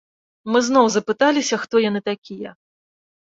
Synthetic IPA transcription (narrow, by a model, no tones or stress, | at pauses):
mɨznɔwzɐpɨt̪alʲisʲɐxt̪ɔjan̪ɨt̪akʲijɐ